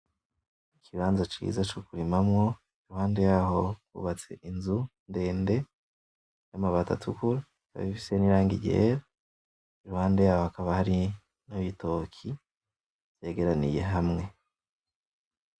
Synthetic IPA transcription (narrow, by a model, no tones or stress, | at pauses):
ikʰiβaːnzat͡ʃḭzat͡ʃokuɾimamŋo̞ | iɾuhaːnde̞jaːɦo̞ɡṵβat͡se̞̰ʔinzunde̞ːnde̞ | jamaβata̰tʰukuɾa | ka̰βifi̥seniɾaːŋɡḭɟe̞ɾa | iɾuhaːnde̞jaːhohakaβahaɾi | noβito̞kʰi | z̥e̞ːɡe̞ɾanḭje̞̰ɦamŋe̞